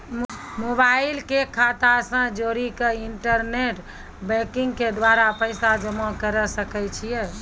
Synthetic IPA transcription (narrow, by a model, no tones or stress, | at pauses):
mobailkekʰat̪asə̃d͡ʒoɾikeiɳʈəɾneʈ | bɛ̃kĩŋɡked̪ʋaɾapəɪsad͡ʒəmakəɾəsəkɛt͡ʃʰijɛ